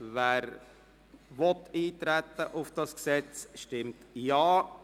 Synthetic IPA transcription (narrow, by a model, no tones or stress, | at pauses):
væːɾ | ʋɔt̪iːt̪ɾæt̪ːəʔʊfd̥ɑsksɛt͡sʃtɪmtjɑː